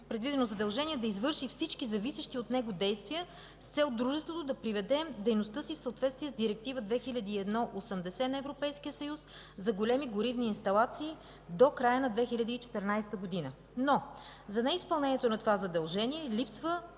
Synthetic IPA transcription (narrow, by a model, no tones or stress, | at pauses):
pɾɛd̪vid̪ɛnozɐd̪ɐlˠʒɛniɛd̪ɐizvɤɾʃifsit͡ʃkizɐvisəʃt̪iot̪nɛɡod̪ɛjst̪vijə | st̪sɛlˠd̪ɾuʒɛst̪vot̪od̪ɐpɾivɛd̪ɛd̪ɛjnost̪ɤsifsəot̪vɛt̪st̪viɛzd̪iɾɛk̚t̪ivəd̪vɛxilʲɐd̪iːɛd̪nɔʔosəmd̪ɛsɛnɐɛvɾopɛjskijəsɐjus | zɐɡolʲɛmiɡoɾivniːnst̪ɐlˠat̪siː | d̪okɾajənɐd̪vɛxilʲɐd̪iit͡ʃɛ̥t̪ɛɾnajst̪əɡod̪inə | nozɐnɛispɐlˠnɛniɛt̪onɐt̪ovazɐd̪ɐlˠʒɛniɛlʲipsvə